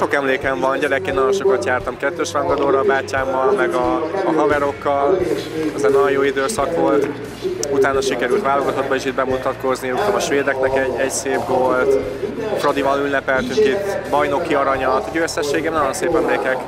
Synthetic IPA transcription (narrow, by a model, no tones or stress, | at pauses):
ʃo̞kɛmleːkɛɱvɒnɟɛɾɛkeːnːɒjo̞nʃo̞kɒt̪jaːrt̪ɒmkɛt̪ːøːʃrɒŋɡɒd̪oːɾɒbaːcːaːmːɒlmɛɡɒːɦɒvɛɾo̞kːɒlɛzɛnɒjojoːid̪øːsɒkʋo̞lt̪ | ut̪aːnɒʃikɛɾylt̪ʋaːlo̞ɡɒt̪o̞d̪̚bɒeːʃid̪̚bɛmut̪ɒt̪ko̞zniukt̪ɔmɒʃʋeːd̪ɛknɛkɛɟːɛcseːpvo̞lt̪frod̪ivɒnylːɛpɛlt̪yŋkit̪bɒjno̞kːiɒɾɒɲɒt̪ɟøsɛʃːeːɡɛmnɒjo̞nseːpɛmleːkɛk